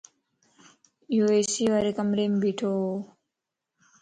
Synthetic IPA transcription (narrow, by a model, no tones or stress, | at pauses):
juesiʋaɾekɐmɾembiʈʰo